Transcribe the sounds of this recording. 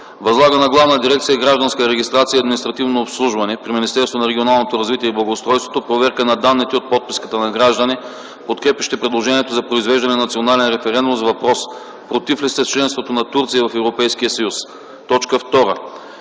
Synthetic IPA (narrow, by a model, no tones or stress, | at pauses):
vɐzlˠaɡənɐɡlˠavnəd̪iɾɛk̚t̪sijəɡɾaʒd̪ɐnskəɾɛɡʲist̪ɾat̪sijəɐd̪minist̪ɾɐt̪ivnoːpslˠuʒvɐnɛpɾiminist̪ɛɾst̪vonɐɾɛɡionalˠnot̪oɾɐzvit̪iɛiblˠɐɡoːst̪ɾɔjst̪vo̥t̪opɾovɛɾkənɐd̪anːit̪ɛot̪̚pɔt̪̚pi̥skə̥t̪ənɐɡɾaʒd̪əni | pot̪kɾɛpʲjɐʃt̪ɛpɾɛd̪lˠoʒɛniɛt̪ozɐpɾoizvɛʒd̪ɐnɛnnɐt̪sionalɛnɾɛfɛɾɛnd̪umzɐvɐpɾɔs | pɾot̪iflist̪ɛst͡ʃlɛnst̪vot̪onɐt̪uɾt̪sijəvɐfɛvɾopɛjskijəsɐjus | t̪ɔt͡ʃkəft̪ɔɾə